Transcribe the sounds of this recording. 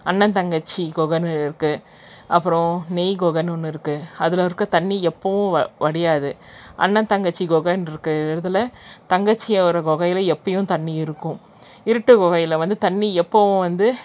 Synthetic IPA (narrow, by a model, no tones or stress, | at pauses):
ɐnːɐnt̪ɐŋɡɐt͡ʃːiɡɔɣɐnɯɪɾɯkːɯ | ʔɐpːɯɾɔ̃nejɡɔɣɐnʊnːɯɪɾɯkːɯɐðɪlɐʋɐɾkːɯt̪ɐnːiɛpːɐʋʊ̃ɐʋɐɽɪjaːðɯ | ʔɐ̰nːɐnt̪ɐŋɡɐt͡ʃːiɡɔɣɐnɪɾɯkːɯɪɾɯðɯlɐt̪ɐŋɡɐt͡ʃːɪjɐɔɾɐɡɔɣɐjɪlɐɛpːɐjʊ̃t̪ɐnːiɪɾɯkːʊ̃ | ɪɾɯʈːɯɡɔɣɐjɪlɐʋɐnd̪ɯt̪ɐnːiɛpːɐʋʊ̃ʋɐnd̪ɯ